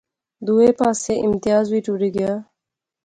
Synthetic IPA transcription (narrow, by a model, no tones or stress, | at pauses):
d̪uːeːpaːseːʔɪmt̪ɪjaːzʋiːʈuːɽiːɡɪjaː